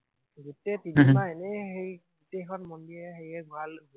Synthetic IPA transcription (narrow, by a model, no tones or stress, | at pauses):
ɡutɛtinmaɛnɛhejɡutejkʰɔnmɔndiɹɛxejɛɡualɡ